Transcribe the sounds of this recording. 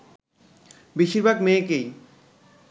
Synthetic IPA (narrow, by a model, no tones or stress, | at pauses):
biʃiɾbʱaɡmeːkej